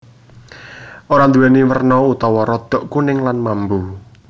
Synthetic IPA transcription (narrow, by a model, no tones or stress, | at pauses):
ʔoɾand̪uwɛniwərnɔut̪ɔwɔɾɔd̪̥ɔ̤ʔkunɪŋlanmambu